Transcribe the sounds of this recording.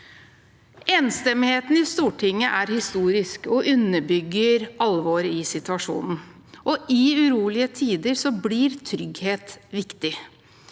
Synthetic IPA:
eːnst̪ɛmɪheːt̪n̩ɪst̪uːʈʰɪŋːəʔæɾhɪst̪uːɾɪskɔʔʉnːəbʏɡːəɾɑlːʋoːɾɪsɪt̪ʉʋɑʂṵːnn̩ | ʔɔʔɪʉɾuːlɪət̪ʰiːd̪əɾsɔbliɾt̪ʰɾʏɡheːt̪ʋɪkt̪ɪ

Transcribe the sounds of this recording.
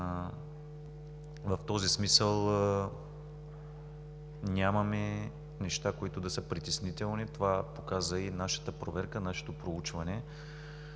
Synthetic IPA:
vɐft̪ɔzismisəlˠ | nʲamɐmɛ | nɛʃt̪akoit̪ʊd̪ɐsəpɾit̪ɛsnit̪ɛlˠnit̪ovapokazəinaʃə̥t̪əpɾovɛɾkənaʃɛ̥t̪opɾout͡ʃvɐnɛ

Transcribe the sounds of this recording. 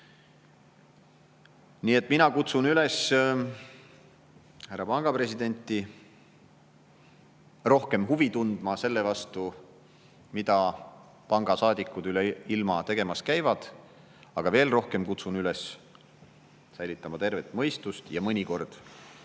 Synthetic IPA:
niːe̞t̪ːˑminɑkut̪sunyles | hærːɑpɑŋɡ̥ɑpre̞sid̪̥e̞nʲt̪ːˑi | ro̞hke̞mɦuvit̪und̪mɑse̞lːe̞vɑst̪u | mid̪ɑ | pɑŋɡ̥ɑsɑːd̪̥ikːˑud̪yleilmɑt̪e̞ɡe̞mɑskæjvɑd̪̥ | ɑɡ̥ɑve̞ːlro̞hke̞mkut̪sunylɛs | sæjlit̪ːˑɑmɑt̪e̞rve̞t̪ːˑmɤ̞jst̪ust̪jɑmɤnʲiko̞rd̪̥

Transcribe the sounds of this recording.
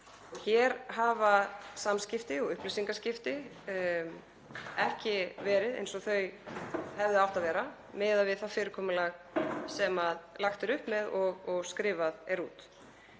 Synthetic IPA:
çɛɾɦaːvasamscɪft̪ɪɔɣʏhplisiŋkascɪft̪ɪ | ɛhcɪvɛːɾɪðḛjnsɔɣθœɥɦɛvðɪawht̪aðvɛːɾa | mɛːðavɪðθafɪːɾɪɾkʰɔːmʏlaɣsɛmaðlaxt̪ɪɾʏhpmɛðɔɣɔɣskɾɪːvaðɛɾṵːt̪

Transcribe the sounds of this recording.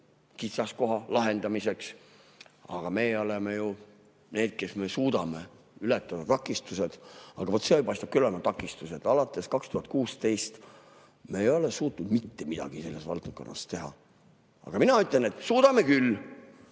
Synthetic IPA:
kit̪sɑsko̞ɦɑlɑɦe̞nd̪ɑmise̞ks | ɑ̰ɡ̥ɑme̞o̞leme̞ju | ne̞ːd̪̥̚ke̞sme̞suːd̪̥ɑme̞ | ylet̪ːˑɑd̪ɑt̪ɑkːˑist̪use̞d̪̥ɑ̰ɡ̥ɑvo̞t̪sejpɑjst̪up̚kylolemɑt̪ɑkːˑist̪use̞d̪ɑlɑt̪ːˑe̞skɑkst̪uhɑt̪̚ˑkuːst̪e̞jst̪ | meːjo̞lesuːt̪nud̪mit̪ːe̞mid̪̥ɑ̰ɡ̥ise̞lːe̞svɑ̰lt̪ko̞̰nːɑ̰st̪e̞ɦɑ̰ | ɑ̰ɡ̥ɑminɑyt̪ːˑlene̞t̪suːd̪̥ɑme̞kyl

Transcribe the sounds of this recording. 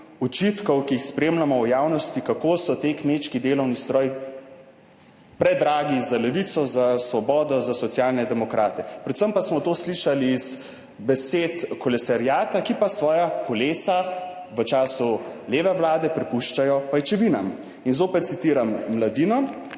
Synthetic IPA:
ut͡ʃit̪kɔwkiixspɾeːmlamɔwjaːwnɔst̪ikakoːsɔt̪eːkmeːt͡ʃkid̪eːlɔwnist̪ɾɔːj | pɾɛd̪ɾaːɡizalɛʋit̪sɔzasʋɔbɔːd̪ɔzasɔt̪sjaːlnɛd̪ɛmɔkɾaːt̪ɛpɾɛt̪səmpasmɔt̪oːsliʃaliːz | bɛseːt̪kɔlɛsaɾjaːt̪akipasʋɔːjakɔleːsa | ʋət͡ʃaːsuleːʋɛwlaːd̪ɛpɾɛpuʃt͡ʃajɔpajt͡ʃɛʋinam | inzoːpɛt̪̚sit̪iːɾamːlad̪inɔ

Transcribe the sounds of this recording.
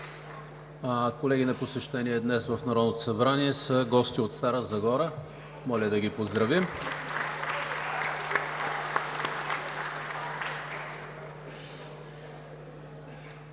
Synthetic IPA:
akolɛɡʲinɐposɛʃt̪ɛniɛd̪nɛsvəfnɐɾɔd̪not̪osɐbɾaniɛsəɡɔst̪iot̪st̪aɾəzɐɡɔɾə | mɔlʲəd̪ɐɡipozd̪ɾɐvim

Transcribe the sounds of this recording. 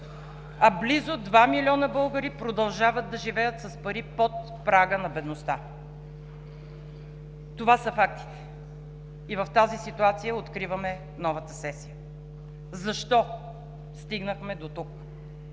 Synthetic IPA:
ɐblizʊd̪vamilʲɔnəbɤlˠɡəɾipɾod̪ɐlˠʒavəd̪̚d̪ɐʒivɛjət̪sɐspɐɾipot̪̚ | pɾaɡənɐbɛd̪nost̪a | t̪ovasəfakt̪i̥t̪ɛ̥ | ivɐft̪azisit̪uat̪sijəot̪kɾivəmɛ | nɔvət̪əsɛsijə | zɐʃt̪ɔ | st̪iɡnəxmɛd̪ot̪uk

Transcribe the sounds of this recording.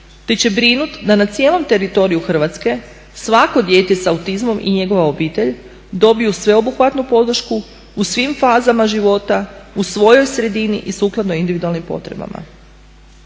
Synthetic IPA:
t̪e̞t͡ɕe̞bɾinut̪d̪anat̪sije̞ːlo̞mt̪e̞ɾit̪o̞ɾijuxr̩ʋat̪ske̞ | sʋako̞d̪je̞ːt̪esaut̪izmo̞mʔḭɲe̞ɡo̞ʋao̞biːt̪eʎ | d̪o̞bijusʋe̞o̞buxʋat̪nupo̞d̪r̩ʃku | usʋimfaːzamaʒiʋo̞t̪ausʋo̞jo̞jsɾe̞d̪inḭʔisuːklˠad̪noind̪iʋid̪ualnimpo̞̰t̪ɾe̞̰ba̰ma̰

